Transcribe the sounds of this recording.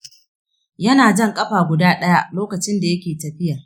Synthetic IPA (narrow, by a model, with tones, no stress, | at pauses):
jɐ˦naː˨d͡ʒɐ˦˨ŋkʼɐ˦ɸaː˨ɡʷʊ˨daː˦ɗɐ˦ja˦ʔloː˦kɐ˨t͡ʃɪ˦nda˨jɐ˦kʲeː˨tɐ˨ɸɪ˦ja˨